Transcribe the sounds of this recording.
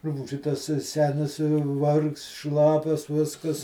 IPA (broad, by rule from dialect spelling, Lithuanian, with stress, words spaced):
ˈrʊpuːʒʲɪ tɐs ˈsʲæːnʲɪs ˈʋɐrkst ˈʃlˠɑːpʲɛs ˈʋʲɪskɐs